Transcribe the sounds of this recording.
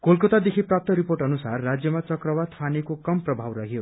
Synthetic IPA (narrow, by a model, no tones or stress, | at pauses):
kolkot̪ad̪ekʰiprap̚t̪ʌɾiporʈʌnusarːad͡zjʌmat͡sʌkrʌwad̪pʰanekokʌmprʌbʱawrʌɦjo